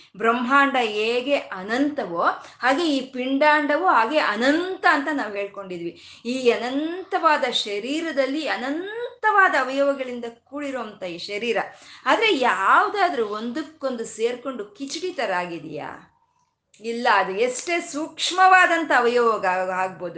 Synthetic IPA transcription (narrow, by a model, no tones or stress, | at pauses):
bɾɐmɦaːɳɖɐeːɡe̞ʔɐnɐnt̪ɐʋoːhaːɡe̞iːpiɳɖaːɳɖɐʋoːɦaːɡe̞ʔɐnɐnt̪ɐːnt̪ɐnaːʋuɦe̞ːɭko̞ɳɖid̪ʋi | iːɐnɐnt̪ɐʋaːd̪ɐʃɐɾiːɾɐd̪ɐlːiɐnɐnt̪ɐʋaːd̪ɐːʋɐjoːɡɐɡɐɭind̪ɐkuːɽiɾoːnt̪ɐiːʃɐɾiːɾɐaːd̪ɐɾe̞jaːʋd̪aːd̪ɐɾuond̪ukːo̞nd̪use̞ːɾko̞ɳɖukit͡ʃiɽit̪ɐɾaːɡid̪ḭja̰ː | ilːɐːd̪ueʂʈeːsukʂmɐʋaːd̪ɐnt̪ɐːʋɐjoːʋɐɡaːɡ̚bo̞ːd̪u